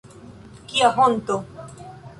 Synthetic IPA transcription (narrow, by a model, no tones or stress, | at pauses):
kiaɦont̪o